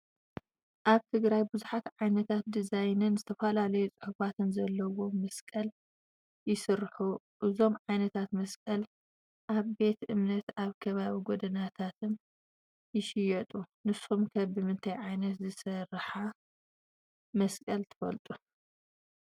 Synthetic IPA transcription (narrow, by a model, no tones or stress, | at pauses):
ʔaβt̪ʰɨɡɾajbɨzuħat̪ʕajnɐt̪ʰat̪̚d̪izajnɨnzɨt̪ʰɐfɐlalɐjut͡sʼɨħuβat̪ʰɨnzɐlːɐwo̞mɐskʼɐl | jɪsɨɾħu | ʔɨzo̞mʕajnɐt̪ʰat̪mɐskʼɐl | ʔaβbe̞t̪ɨmnɐt̪aβkʰɐβaβiɡod̪ɐnat̪ʰat̪ʰɨn | jɪʃɪjɛt̪ʼunɨsumkʰɐbɨmɨnt̪ʰɐjʕajnɐt̪zɨsɐrħa | mɐskʼɐlt̪ʰɨ̥fɐ̰lt̪ʼu